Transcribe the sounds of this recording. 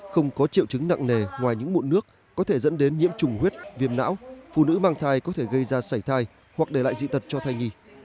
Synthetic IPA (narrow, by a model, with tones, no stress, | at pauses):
xə˧wŋ͡mkɔ˨˦t͡ɕḭ˧əwt͡ɕɨ˨˦ŋna̰ː˧˨ŋne˨˩ŋwaː˨˩jɲɨ̰˧˥ŋmṵ˧˨nɨ˦˥ək̚ːɔ˨˦t̪ʰe˧˩zə̰˧˥nɗe˨˦nɲḭ˧˥əmt͡ɕʊ˨˩ŋ͡mhwi˦˥t̚vi˧əmna̰ː˧˥wfṵ˧˨nɨ̰˧˥maː˧ŋt̪ʰaː˧jkɔ˨˦t̪ʰe˧˩ɣə˧jzaː˧saː˧˩jt̪ʰaː˧j | hwa˨˩k̚ɗe˧˩la̰ː˧˨jzḭ˧˨t̪ʰə˨˩t̚t͡ɕɔ˧t̪ʰaː˧jŋi˧